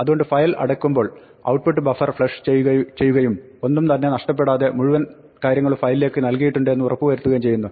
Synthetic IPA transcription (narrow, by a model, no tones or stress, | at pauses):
ɐðuɣo̞ɳɖɨfɐjlɐ̰ɽɐkːumbo̞ːɭ | ɐ̰wʈ̚puʈːɨbɐfɐrfɭɐʂt͡ɕejːɐt͡ɕe̞jːuɣɐjum | o̞nːumt̪ɐnːe̞nɐʂʈɐp̬ːe̞ɽaːðe̞muɻuʋɐn | kaːɾjɐŋːɐɭufɐjlile̞ːkːɨnɐlkijiʈːuɳɖɨe̞nːɨurɐpːuʋɐɾut̪ːuɣɐjumt͡ɕe̞jːunːu